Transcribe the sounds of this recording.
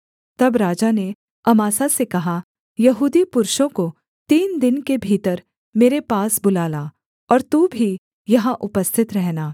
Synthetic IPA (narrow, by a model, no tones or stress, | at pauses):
t̪ɐbɾaːd͡ʒane | ɐmaːsasekɐɦa | jɐɦuːd̪ipʊɾʃõko | t̪iːnd̪ɪnkebʱiːt̪əɾ | meːɾepaːsbʊlaːla | ɔːɾt̪ubʱi | jɐɦãʔʊpəst̪ʰɪt̪ɾɛɦnaː